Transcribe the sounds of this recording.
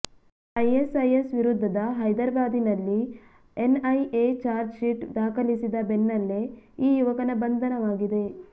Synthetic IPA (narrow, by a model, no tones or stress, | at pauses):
ɐjesɐjesʋiɾud̪ʱːɐd̪ɐɦɐjd̪ɐɾɐbaːd̪inɐlːi | enɐjeːt͡ʃaːɾd͡ʒʃiʈd̪aːkʰɐlisid̪ɐbenːɐlːeiːjuʋɐkɐnɐbɐnd̪ʱɐnɐʋaːɡid̪e̞